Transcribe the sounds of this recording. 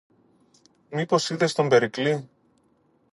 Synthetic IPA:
mipo̞siðe̞st̪o̞mbe̞ɾikli

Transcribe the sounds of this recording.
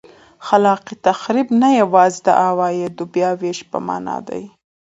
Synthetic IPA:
xalɑqit̪axɾibnajawɑzd̪ə̰ʔawɑjed̪ubjɑweʃpə̰mɑ̰nɑ̰d̪a̰j

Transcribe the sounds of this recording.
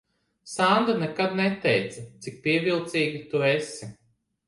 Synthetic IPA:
sand̪anɛkad̪nɛt̪ɛjt̪sɐt̪sik̚piɛvʲilˠt̪siːɡʲit̪uesi

